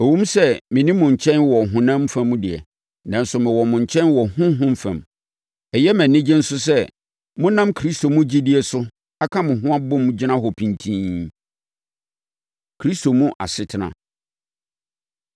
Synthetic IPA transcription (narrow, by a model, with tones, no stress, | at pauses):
o˨wũ˦msɛ˦mɪ̃˨nĩ˦mʊ̃˨ɲ˨t͡ɕʰɛ̃˦nwɔ˨ɦʊ̃˨nã˦m˦fæ̃˦mũ˦dɪ˨ɛ̰˨ | nã˨n̩˦sʊ˨mɪ̃˨wɔ˨mʊ̃˨ɲ˨t͡ɕʰɛ̃˦nwɔ˨hʊ̃˦ɦʊ̃˦m̩˦fã̰˨m | ɛ˨jɛ˦mæ̃˨nːɪ̃˦d͡ʑɪ̃˦n̩˦sʊ˦s̬ɛ˦ | mʊ̃˦nã˦mkʰɾi˦sto˨mũ˦d͡ʑi˦dɪ˦ɛ˨sʊ˦ | a˦kʰã˦mʊ̃˨ɦʊ̃˦a˦bʊ̃˦m̃˦d͡ʑɪ˦nã˦ɦɔ˨pʰĩ˨ntʰĩː˦ | kʰɾi˦sto˨mũ˦ʔa̰˨sɪ˦tʰɪ˨nã̰˨